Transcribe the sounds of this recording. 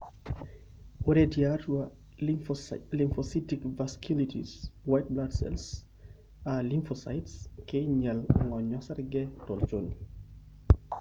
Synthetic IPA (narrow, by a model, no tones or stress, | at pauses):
oɾediaɾua | limfɔsitikvaskʰjulitʰḭswajt̚bladsɛ̰ls | aliɱfɔsa̰jtskɪɲɛlŋɔɲɔsaɾɡɛtɔlt͡ʃon